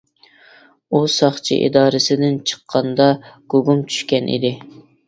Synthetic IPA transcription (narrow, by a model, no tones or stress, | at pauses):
usɑχt͡ʃʰḭʔḭd̪ɑːɾɨsɪd̪ɪnt͡ʃʰə̥qʰːɑnd̪ɑɡ̥oɡumt͡ʃʰy̥ʃkʲɛnʔḭd̪ɪ